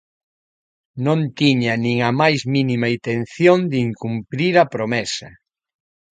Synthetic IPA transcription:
nõnt̪iɲɐnĩŋɐmajzminimɐint̪enθjond̪iŋkumpɾiɾɐpɾomɛsɐ

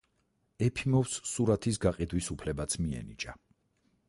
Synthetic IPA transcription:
ɛpʰimɔfsːuɾat̪ʰisɡaqʼid̪wisupʰlɛbat̪sʰmiɛ̰nḭt͡ʃʼa

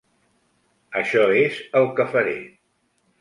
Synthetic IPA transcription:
əʃɔezəlˠkəfəɾḛ

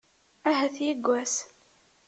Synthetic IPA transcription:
æɦæθjiɡʷːæs

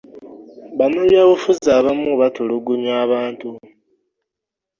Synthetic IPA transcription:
βanoljaːβufuzaβamuβatoluɡuɲwaːβaːntu

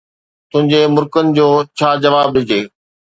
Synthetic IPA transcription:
t̪ʊ̃ɦɪ̃ɲd͡ʑemʊɾkənɪ̆d͡ʑoːt͡ɕʰaːd͡ʑɐʋaːb̚ɗɪd͡ʑeː

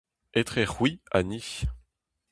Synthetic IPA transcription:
et̪χeʁwia̰niç

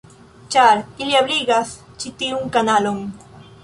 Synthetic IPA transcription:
t͡ʃaɾɪljabliɡas | t͡ʃɪt̪iuŋkanaloŋ

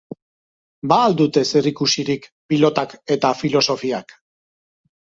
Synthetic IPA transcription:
baːld̪ut̪e̞serikusiɾikpilo̞t̪ake̞t̪afilo̞so̞fiak

